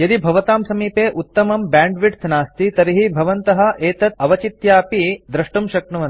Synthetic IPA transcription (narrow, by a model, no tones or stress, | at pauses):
jɐd̪ibʱɐʋɐt̪aːmsɐmiːpeːʔut̪ːɐmɐmbaːɳɖʋiʈt̪ʰnaːst̪it̪ɐɾiɦibʱɐʋɐnt̪ɐɦɐ̆eːt̪ɐt̪̚ɐʋɐt͡ʃit̪jaːpid̪ɾɐʂʈumʃɐk̚ɳɐʋɐ